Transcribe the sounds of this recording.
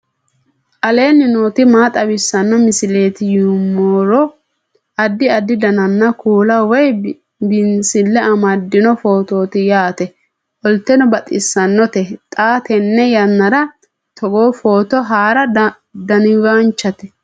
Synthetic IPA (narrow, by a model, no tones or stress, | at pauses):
ʔɐle̞ːnɪnoːt̪ɪmaːt̪ʼɐwɪsːɐnːɔmɪsɪleːt̪ɪjumːoːɾɔ | ɐd̪ːɪɐd̪ːɪd̪ɐnɐnːɐkuːlɐwɔj | bɪnsɪlːɛʔɐmɐd̪ːɪnɔfo̞ːt̪oːt̪ɪjaːt̪ɛ | ʔɔlt̪ɛnɔbɐt̪ʼɪsːɐnːɔt̪ɛt̪ʼaːt̪ɛnːɛjɐnːɐɾɐ | t̪ʰɔɡoːfo̞ːt̪ɔɦaːɾɐ | d̪ɐnɪwaːnt͡ʃːɐt̪ɛ